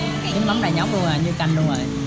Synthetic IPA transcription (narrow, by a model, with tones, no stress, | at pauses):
i˨˦ma˨˦ŋ͡mɗaː˨˩ɲa˨˦˥wk͡p̚ɗu˧əŋzoː˨˩ɲɨ˧ka˧jnɗu˧əŋzo˨˩j